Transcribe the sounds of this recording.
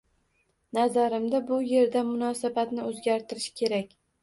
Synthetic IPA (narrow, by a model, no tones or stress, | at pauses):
nazaɾɪmd̪abʊje̞ɾd̪anmʊnɒsabat̪nɪɵzɡʲaɾt̪ʰɪɾɪʃkʲʰe̞ɾakʲ